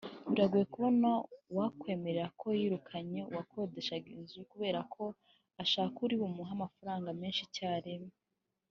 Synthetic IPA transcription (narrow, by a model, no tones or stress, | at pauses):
βiɾaɡuje̞kuβo̞nawakwe̞ːme̞ɾeɾakʰo̞jiːɾukʰaɲe̞uwakʰo̞de̞ʃaɡiːnzuukuβe̞ːɾakʰo̞ | aʃaːkuɾiβumuɦamafaɾaːŋɡame̞ːnʃicaːɾeme